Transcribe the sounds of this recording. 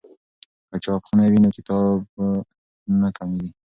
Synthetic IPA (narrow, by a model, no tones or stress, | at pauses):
kat͡ʃɑkxunawinokɪt̪ɑb̚ | nakamiwi